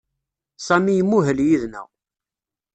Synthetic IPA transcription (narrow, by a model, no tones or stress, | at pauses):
sæmijəmːuɦəljiðnæ̰